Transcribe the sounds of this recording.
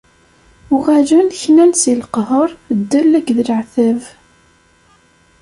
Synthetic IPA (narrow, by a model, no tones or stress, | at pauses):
ʊʁaʒænçnænsilqɦəɾˤd̪ːəlæɡðəlʕθæv